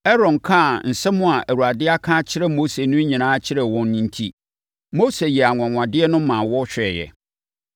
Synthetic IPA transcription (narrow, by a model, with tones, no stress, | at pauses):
ɛ˦ɾɔ̃˨nkʰã˦˨n̩˨sɛ˦mʊ̃˦a˨ʔæ˨ɾu˨a˨dɪ˦a˦kʰã˦t͡ɕʰɪ˦ɾɛ˨moː˦se˨nʊ̃˦ɲĩ˨nãː˦t͡ɕʰɪ˦ɾɛ˨wɔ̃˦nːĩ˦n̩˦tʰi˦ | mo˦se˨jɛ˨a˨ŋʷ˨ã˨ŋʷã˨dɪ˦ɛ˦nʊ̃˦mã˨wɔ˦ɕᶣɛ˨jɛ̰˨